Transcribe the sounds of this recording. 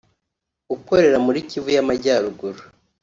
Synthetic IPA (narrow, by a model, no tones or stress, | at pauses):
uko̞ɾe̞ɾamuɾicivujamaɟaːɾuɡuɾu